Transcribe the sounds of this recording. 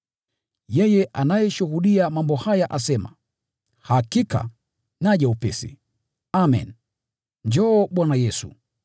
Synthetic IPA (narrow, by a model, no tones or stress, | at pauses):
jɛjɛʔanajɛʃuhuɗiamambɔhajaʔasɛma̰ | hakika̰ | naʄaupɛsḭ | amɛ̰n | ɲd͡ʒɔːɓwanajɛsṵ